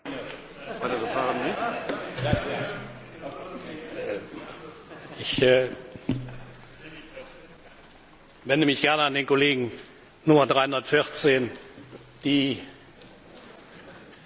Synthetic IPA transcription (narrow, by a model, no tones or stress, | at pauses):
atədɐpʰalamɛnt | ʔɪç | vɛndəmɪçɡ̥ɛɐnəandeːnkoleːɡŋ̩ | nʊmɐdʁaɪhʊndɐtfɪʁt͡seːn | d̥iː